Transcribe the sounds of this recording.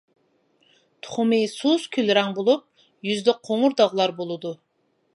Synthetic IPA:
t̪ʰʊ̥χʊmɪsuskʲʰylɾɛŋbolˠup̚ | jyzd̪ɪqʰoŋʊɾd̪ɑʁlˠɑɾbolˠɨd̪u

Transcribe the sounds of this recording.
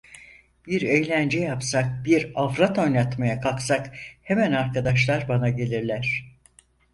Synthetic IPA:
biɾejlʲænd͡ʒɛjapsak̚biɾafɾat̪o̞jnat̪majakʰaksakhe̞mænaɾkʰad̪aʃlˠaɾbanaɟe̞lʲiɾlʲæɾ̥

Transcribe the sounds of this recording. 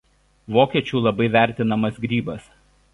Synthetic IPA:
ʋoːkʲiɛt͡ʃʲuːˑlˠɐbɐɪʋʲæˑɾʲt̪ʲɪnɐmɐsɡɾʲiːbɐs

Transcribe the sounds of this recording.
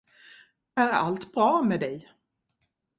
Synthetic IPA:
æɾa̰lt̪bɾɑːmɛd̪ɛj

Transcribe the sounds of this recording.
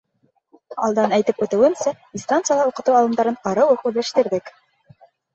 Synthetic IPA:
ɑ̰lˠd̪ɑnæjt̪ɘpʉ̆t̪ɘ̆wɘmsæ | nst̪ant̪sɨjalˠɑuqɤ̆t̪uwɑlˠɤ̆md̪ɑɾɤɴqɑɾɤwɤqʉðlæʃt̪ɘ̆ɾðɘk

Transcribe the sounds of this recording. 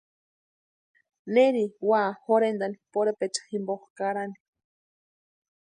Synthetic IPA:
neɾiwaːxoɾend̪anipoɾepet͡ʃḁximboχkaɾani̥

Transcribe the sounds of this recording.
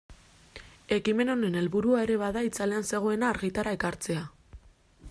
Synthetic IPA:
e̞kime̞no̞ne̞ne̞lβuɾuae̞ɾe̞βaðait͡sale̞anse̞ɣ̞o̞e̞naːɾɣit̪aɾaekaɾt͡se̞a

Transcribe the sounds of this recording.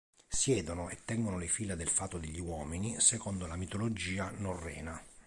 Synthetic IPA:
sjɛːd̪onoet̪ːɛŋɡonolefiːlad̪elfaːt̪ːod̪eʎːiwɔːminisɛkond̪olamit̪olod͡ʒiːanorːɛ̰ːna

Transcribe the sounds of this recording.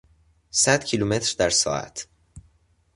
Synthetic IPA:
sæd̪̥cʰiluːmet̪ɾd̪æɾsɒ̰ːæ̰t̪ʰ

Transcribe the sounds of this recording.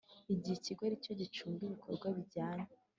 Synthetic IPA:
iɟiheciɡwoɾico̞ɟit͡ʃuːmbiβikʰoɾɡwaβiɟaːɲe

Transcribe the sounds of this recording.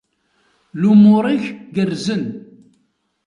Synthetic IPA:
lumʊɾˤiçɡərzən

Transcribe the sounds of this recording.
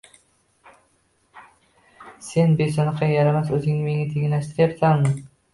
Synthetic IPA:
se̞nbesɒnɑqɑjaɾamasɵzɪŋnɪme̞ŋat̪ʰeŋʲlaʃt̪ɪɾjapsammɪ

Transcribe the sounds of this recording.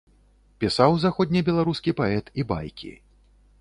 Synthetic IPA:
pʲisawzaxɔd̪ʲnʲibʲɛlˠaɾuskʲipaɛt̪iba̰jkʲḭ

